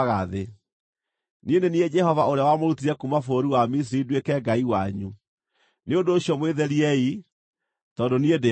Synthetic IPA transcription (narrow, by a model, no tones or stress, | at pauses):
ɣaðe | niendenied͡ʒɛɦɔvaoɾeawamoɾutiɾɛkumafoɾiwamis̬iɾidwekɛɡaiwaɲu | neondoːɕjɔmweðɛɾiɛi | tɔːndoniede